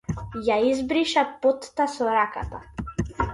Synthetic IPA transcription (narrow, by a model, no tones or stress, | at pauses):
jaizbɾiʃapɔt̪ːasɔɾaka̰t̪a